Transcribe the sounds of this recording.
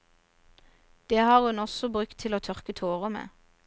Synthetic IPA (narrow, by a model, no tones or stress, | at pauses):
d̪̥eːhɑːʁhʉnɔsɔbʁʉkt̪ʰɪloːt̪ʰœʁkət̪ʰoːʁəmḛː